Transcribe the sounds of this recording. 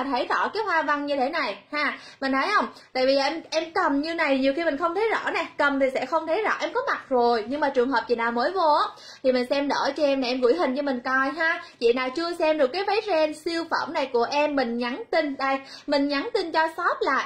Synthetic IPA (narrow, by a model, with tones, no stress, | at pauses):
t̪ʰə˨˦jzɔ̰˧˩˥kaː˨˦jɦwaː˧va˧ŋɲɨ˧t̪ʰe˧˨˩na˨˩jhaː˧˩mï˨˩ŋ̟nʰə˨˦jhə˧wŋ͡mt̪a̰ː˧˨vi˨zːʔɛ˧mʔɛ˧mkə˨˩mɲɨ˧na˨˩jɲi˨˩əwxi˧mi˨˩ŋ̟xə˧wŋ͡mt̪ʰə˨˦jzɔ̰˧˥nɛ˨˩kə˨˩mt̪ʰi˨˩sɛ̰˧˥xə˧wŋ͡mt̪ʰə˨˦jzɔ̰˧˥ʔɛ˧mkɔ˨˦ma˨˩t̚zo˨˩jɲɨ˧ŋmaː˨˩t͡ɕɨ˨˩əŋɦəː˨˩p̚t͡ɕḭ˨naː˨˩wməː˨˦jvo˧˦ | t̪ʰi˨˩mï˨˩ŋ̟sɛ˧mɗə̰ː˧˩t͡ɕɔ˧ʔɛ˧mna˨˩ʔɛ˧mɣɨ̰˧˩jɦï˨˩ŋ̟t͡ɕɔ˧mï˨˩ŋ̟kɔ˧˩jɦaː˧t͡ɕḭ˧˨naː˨˩wt͡ɕɨ˧əsɛ˧mɗkaː˨˦jva˨˦jzɛ˧nsi˧əwfə̰˧˩mna˨˩jku˧˩əʔɛ˧mːï˨˩ŋ̟ɲa˨˦nt̪i˧ŋɗa˧˩jmï˨˩ŋ̟ɲa˨˦nt̪i˧nt͡ɕɔ˧sɔ˦˥p̚laː˨˩